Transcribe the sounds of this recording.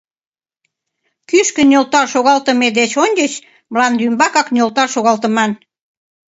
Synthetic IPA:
kyʃkə̆nʲolt̪ɑʃoɣɑlt̪əmed̪et͡ɕonʲd̪ʲet͡ɕ | mlɑnd̪ymbɑkɑknʲolt̪ɑʃoɣɑlt̪ə̆mɑn

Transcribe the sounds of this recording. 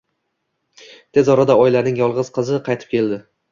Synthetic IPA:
t̪ʰe̞zɒɾad̪aɒjlaɾnɪŋjɒlˠʁɨz̥qʰɨzɪqʰɑjt̪ʰɪ̥p̚kʲʰe̞ld̪ɪ

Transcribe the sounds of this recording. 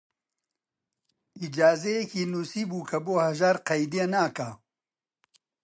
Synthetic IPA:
id͡ʒaːzejekiːnuːsiːbuːkʰɐboːhɐʒaːɾqɐjd̪ienaːka

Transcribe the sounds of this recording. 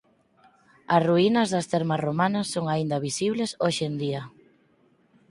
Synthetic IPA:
ɐsruinɐzðɐst̪eɾmɐromanɐsːoŋaind̪ɐβisiβlesoʃend̪iɐ

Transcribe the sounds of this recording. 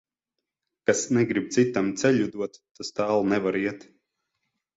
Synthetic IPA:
kasnɛɡɾib̚t̪sit̪amt̪sɛʎʲud̪uɔt̪ːast̪aːlˠnɛvaɾiɛt̪

